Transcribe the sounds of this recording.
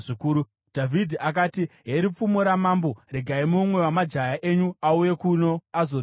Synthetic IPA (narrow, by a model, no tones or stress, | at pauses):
ikuːɾu | d̥ʱavʱidʱiak̬aːtiɦeɾip͡fumoɾamambo̞ɾe̞ɡʱaimumwe̞wamad͡ʒajaʔe̞ɲuauje̞kuno̞azo